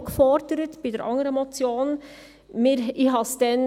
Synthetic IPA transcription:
kfɔɾdəɾətb̥idɛɾʔɑ̰ŋəɾəɛmot͡sjoːn | miɾiɦɑsd̥ɛn

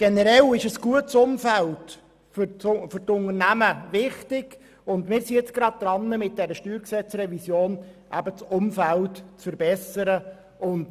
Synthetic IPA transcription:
ɡ̥ɛnəɾɛlɪʃəsɡ̥uətsʊmfælt | fʏfʏɾtʊnəɾnæməvɪχtɪɡ | ʊndmɪːɾsiɛt͡sɡ̥ɾɑd̚d̥̪ɾɑnːəmɪt̚dɛɾəʃtyːɾksɛt͡srɛvisjoːnʔæ̰bət͡sʊmfæltt͡sfəɾbɛsəɾə | ʊnd

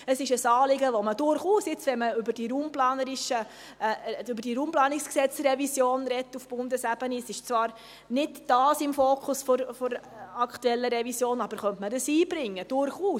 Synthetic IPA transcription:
əsɪʃəsɑːlɪɡəʋoməd̥ʊɾχuːsɪt͡sʋɛnməʏbəd̥iɾuːmplɑːnəɾɪʃə | ʏbəɾd̥iɾuːmplɑːnɪksksɛt͡srɛvisjoːnɾɛtːufb̥ʊndəsæb̥ənisɪʃt͡svɑːɾ | nɪdd̥ɑːsɪmfoːkʰʊsfɔɾfɔɾ | ɑkʰtuɛlːəɾɛvisjoːnɑb̥əɾχœntmədəsiːbɾɪŋːəd̥ʊɾχuː

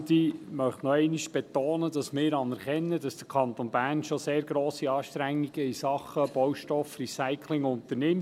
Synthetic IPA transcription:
d̪imœχtnɔɛɪniʃb̥ɛt̪oːnəd̥ɑsmɪːɾɑnɛɾχɛnːəd̥ɑsd̥əɾkʰɑnt̪onb̥æːɾnʃoseːɾɡɾoːsiɑːʃtɾæŋːiɡ̥əisɑχəb̥ɔwʃtɔfrisaɪkʰlɪŋʊnt̪ənɪm

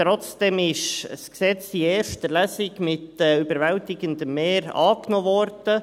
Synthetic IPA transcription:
tɾɔt͡sd̥ɛmɪʃsksɛt͡sdieːɾʃtəlæsɪkmɪtɛybəɾvɛltɪɡənd̪əmeːɾɑ̰ːknɔvɔɾd̥ə

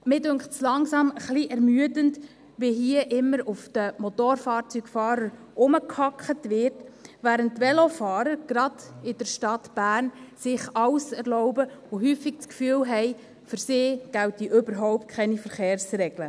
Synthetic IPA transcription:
mɪdøŋχtslɑŋsɑməχliʔɛɾmyədənt | ʋiɦiəʔɪmːəɾʊfd̥əmɔt̪oːɾfɑːɾt͡syɡfɑːɾəɾ | ʔʊməkhɑkχətʋɪrtʋæːɾəntːʋɛlofɑːɾəɾɡ̥ɾɑd̥ɪd̥əɾʃtɑtb̥æːɾnsɪχɑwsɛɾlɔʊbəoɦyːfɪk̚t͡skfyːəlɦɛɪ | fʏɾsɪːɡ̥æltiʔøbəɾɦɔʊp̚t̚kʰɛnifəɾχeːɾsɾɛɡlə

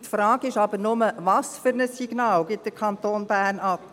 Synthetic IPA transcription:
tfɾɑːɡɪʃɑbənʊməvɑsfyɾnəsːiɡ̥nɑːlɡɪt̚d̥əɾkʰɑnt̪oːnbæːrnɑp

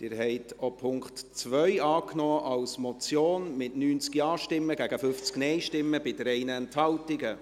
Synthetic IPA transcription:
d̥ɪːɾɦɛɪtʰopʰʊŋkχtt͡sʋœʏɑːknɔːʔɑlsmɔt͡sjoːnmɪtnyːnt͡skiɑːʃtɪmːəɡæɡəfʏft͡sknɛɪʃtɪmːəbɪdəɾɛɪnəɛnthɑltɪɡə

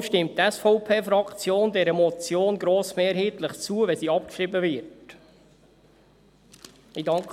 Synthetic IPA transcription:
ʃtɪmttɛsfɔʊpʰeːfɾɑkt͡sjoːndɛɾəmɔt͡sjoːnɡɾoːsmeːɾɦiːt̪ləχt͡suəʋɛsiːɑp̚kʃɾɪbəvɪɾt | idɑŋk

